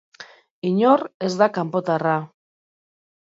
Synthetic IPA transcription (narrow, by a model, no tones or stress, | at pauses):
iɲore̞zd̪akampo̞t̪ara